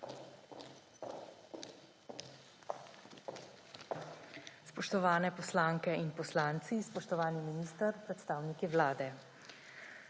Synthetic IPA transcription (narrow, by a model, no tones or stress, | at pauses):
spɔʃt̪ɔʋaːnɛpɔslaːŋkɛinpɔslaːnt̪sispɔʃt̪ɔʋaːniminiːst̪əɾpɾɛt̪st̪aːwnikiʋlaːd̪ɛ